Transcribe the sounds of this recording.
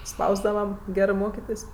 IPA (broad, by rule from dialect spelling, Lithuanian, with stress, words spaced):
ˈspɐʊzdɐʋɐ ˈɡʲæːrɜ ˈmoːkʲɪtʲeːsʲ